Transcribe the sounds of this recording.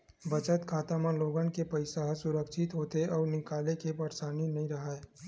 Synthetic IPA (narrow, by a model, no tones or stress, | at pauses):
bɐt͡ʃət̪kʰaːt̪amãloːɡãnkepɐɪsaɦsʊɾəkʃɪt̪ɦoːt̪eʔɔːɾnɪkaːlekepɐɾsaːninɐɦĩɾɐɦaːe